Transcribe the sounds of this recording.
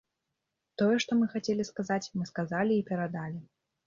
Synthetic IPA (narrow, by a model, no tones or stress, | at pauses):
t̪ɔjɛʂt̪ɔmɨxat͡sʲelʲiskazat͡sʲmɨskazalʲiːpʲɛɾad̪alʲi